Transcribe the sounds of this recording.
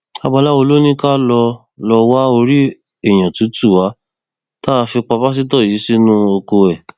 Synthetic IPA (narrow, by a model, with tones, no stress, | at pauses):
a˧ba˧la˦o˧lo˦nĩ˦ka˦lɔ˧ | lɔ˧wa˦o˧ɾi˦ | e˦˨j̃ã˨tũ˨˦tu˦˨wa˨˦ | taː˦˧fi˧k͡pa˧ba˦s̬i˦t̬ɔ˦˨ji˨˦si˦nũ˦o˧ko˧wɛ˨